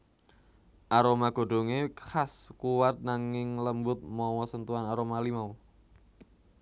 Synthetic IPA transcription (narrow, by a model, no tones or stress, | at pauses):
ʔaɾomaɡ̥o̤ɖ̥o̤ŋexaskuwat̪̚naŋɪŋləmbʊt̪̚mɔwɔsənt̪uanaɾomalimau